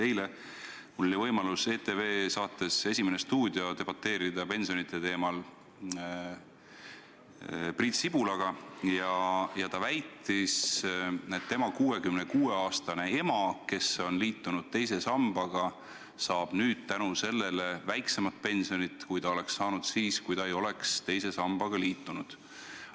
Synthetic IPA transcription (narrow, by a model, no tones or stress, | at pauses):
t̪e̞jle̞ | oːivɤjmɑluse̞ːt̪e̞ve̞ːsɑːt̪ːˑe̞se̞sʲimene̞st̪uːd̪̥jo̞t̪e̞b̥ɑt̪ːˑe̞ːɾid̪̥ɑpe̞nsijo̞nit̪ːˑe̞t̪e̞ːmɑl | priːt̪sib̥ulɑɡ̥ɑjɑjɑt̪ɑvæjt̪ːˑis | et̪t̪ːe̞mɑkuːe̞kymnekuːe̞ɑːst̪ɑne̞e̞mɑke̞so̞nliːt̪ˑːunud̪̥t̪e̞jse̞sɑmb̥ɑɡ̥ɑ | sɑːb̥nyːd̪̥̚t̪ænuse̞lːe̞le̞væjkse̞mɑt̪̚pe̞nsio̞nit̪ːˑkujt̪ɑo̞le̞ksːɑːnud̪̥siːskujt̪ɑe̞jo̞le̞kst̪e̞jse̞sɑmb̥ɑɡ̥ɑliːt̪ːˑunud̪̥